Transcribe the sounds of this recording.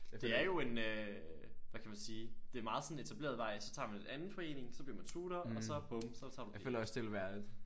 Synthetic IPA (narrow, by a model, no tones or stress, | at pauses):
d̥e̝æɐjo̝e̝nø | ʋækʰæmænsiːd̥e̝æɐmɑ̈ːð̩ˠsɒ̽n̩et͡sʰæb̥le̝̰ɐðˠʋɑ̈ɪ̰sɒ̽t͡sʰɑ̰̈ːmænle̝d̥ænð̩ˠfɒ̽e̝̰ːne̝ŋsɒ̽b̥liɐmænt͡sʰuːɾ̥ɐɒ̽sɒ̽b̥omsɒ̽t͡sʰɑ̈ːd̥iøl̰ɐɒsd̥ʰe̝lʋæɐd̥ð̩ˠ